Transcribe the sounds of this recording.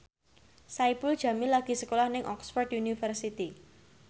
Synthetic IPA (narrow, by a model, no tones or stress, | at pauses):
saipul̥ʒ̥ä̤milaɡ̥i̤səkolahnɪŋʔɔksfɔrdunifərsit̪i